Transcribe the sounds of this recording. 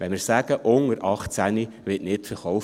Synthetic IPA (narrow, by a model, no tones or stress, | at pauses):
ʋɛnmɪɾsæːɡ̥əʔʊŋəɾʔɑχt͡sæni | ʋɪtnɪtfəɾχɔwf